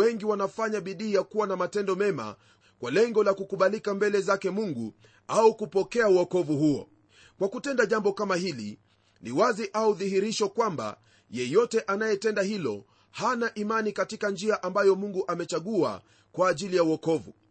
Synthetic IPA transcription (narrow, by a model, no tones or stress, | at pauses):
ɛŋɡiwanafaɲaɓiɗiːjakuwanamatɛndɔmɛma̰ | kwalɛŋɡɔlakukuɓalikambɛlɛzakɛmuŋɡu | aukupɔkɛauɔkɔvuhuɔ̰ | kwakutɛndaʄambɔkamahilḭ | niwaziʔauðiɦiɾiʃɔkwamba̰ | jɛjɔtɛʔanajɛtɛndahilɔ̰ | hanaʔimanikatikand͡ʒiaʔambajɔmuŋɡuʔamɛt͡ʃaɠua̰ | kwaːʄilijauɔkɔvṵ